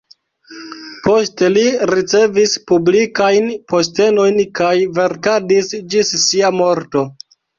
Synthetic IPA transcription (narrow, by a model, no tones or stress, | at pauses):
po̞ste̞liɾit͡se̞vispublikajnpo̞ste̞no̞jnkajve̞ɾkadisd͡ʒisːiamo̞ɾto̞